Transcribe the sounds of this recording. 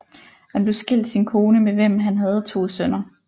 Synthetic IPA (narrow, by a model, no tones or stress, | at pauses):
hænb̥le̝sɡ̥el̰d̥sinkʰo̝ːnəmeʋem̰ɦænɦæð̞̩ˠt͡sʰo̝̰ːsœnɐ